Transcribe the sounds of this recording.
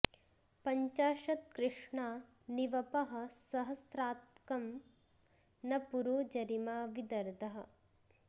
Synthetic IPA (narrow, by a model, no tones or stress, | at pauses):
pɐɲt͡ʃaːʃɐt̪̚kɾɪʂɳaː | niʋɐpɐɦɐ̆sɐɦɐsɾaːt̪kɐm | nɐpuɾoːd͡ʒɐɾimaːʋid̪ɐɾd̪ʱɐɦɐ̆